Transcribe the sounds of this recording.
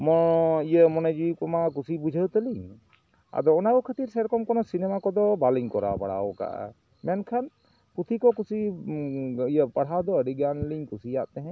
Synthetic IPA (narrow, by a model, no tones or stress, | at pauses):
mɔijəmɔnad͡ʒikɔmak̬usibud͡ʒʱəwt̪əli | a̰d̪ɔːnakɔkʰət̪iɾsɛɾkɔmkɔnɔsinɛmakɔd̪ɔbaliŋkɔɾa̰baɽa̰ɔka̰ʔ | mɛnkʰan | kut̪ʰikɔkusi | ijəpaɽ̤ɦad̪ɔəɖiɡanliɲkusijaʔt̪ɛɦɛ̃